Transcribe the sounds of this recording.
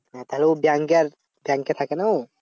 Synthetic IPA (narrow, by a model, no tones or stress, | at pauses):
t̪aɦlubjaŋkeɾ | bjaŋket̪ʰakenaw